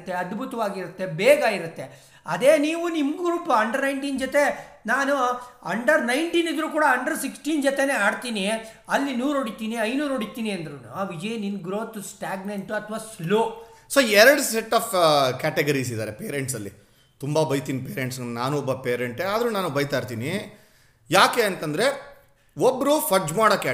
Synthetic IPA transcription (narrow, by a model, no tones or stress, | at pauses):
t̪ːe̞ɐd̪bʱut̪ɐʋaːɡiɾut̪ːe̞bɛːɡaiɾut̪ːe | ɐd̪e̞ːniːʋunimɡɾuːpɐɐɳɖɐɾnɐjɳʈiːnd͡ʒot̪e̞naːnuɐɳɖɐɾnɐjɳʈiːnid̪ɾuːkuːɽɐɐɳɖɐɾsiksʈiːnd͡ʒot̪ene̞ːaːɽt̪iːni | ɐlːinuːɾoɽit̪iːniɐjnuːɾoɽit̪ːiːniɐnd̪ɐɾun̰ʋid͡ʒɐjninɡɾo̞ːt̪sʈaːɡnɐɳʈuɐt̪ʰʋaːsloːsoːɛɾɐɽseʈːaːfkaːʈeɡɐɾis̬id̪aːɾepeːɾeɳʈsɐlːi | t̪umbɐbɐjt̪iːnipeːɾeɳʈsnnaːnuɔbːɐpeːɾeɳʈeaːd̪ɾunaːnubɐjt̪aːɾt̪iːni | jaːkeɐnt̪ɐnd̪ɐɾe̞ | obːɾufɐd͡ʒmaːɽɐkː